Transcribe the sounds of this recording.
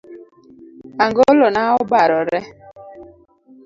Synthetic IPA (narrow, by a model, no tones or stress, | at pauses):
aŋɡolɔnaʊbaɾɔɾe